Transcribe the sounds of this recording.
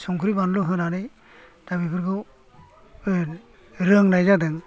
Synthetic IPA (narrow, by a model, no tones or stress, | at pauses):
sɔŋkʰɯɾibanluɦɯnanɯj | d̥abibʰɯɾɡɯw | ɾɯŋnajzadɯŋ